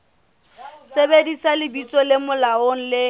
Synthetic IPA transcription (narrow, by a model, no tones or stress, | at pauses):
sebedisalɪbit͡sʼɔlɪmʊlaoŋ̩lɪ